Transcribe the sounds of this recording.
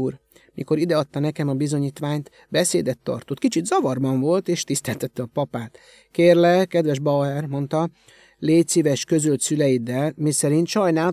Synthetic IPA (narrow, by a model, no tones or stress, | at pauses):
uːr | miko̞ɾid̪ɛɒt̪ːɒnɛkɛmɒbizo̞ɲiːt̪ʋaːɲt̪ | bɛseːd̪ɛt̪ːɒ̰rt̪ot̪kit͡ʃid̪zɒvɒrbɒɱvo̞lt̪eːʃt̪ist̪ɛlt̪ɛt̪ːɛɒpɒpaːt̪ | keːrlɛkɛd̪ʋɛʒbɒɛrmo̞nt̪ɒ | leːcsivɛʃkø̞zølt̪sylɛjid̪ɛlmisɛɾint̪ʃɒjnaː